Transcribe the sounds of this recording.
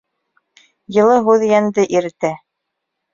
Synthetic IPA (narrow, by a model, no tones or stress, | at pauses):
jɤ̆lˠɤɦʉðjænd̪ɘʔiɾɘ̆t̪æ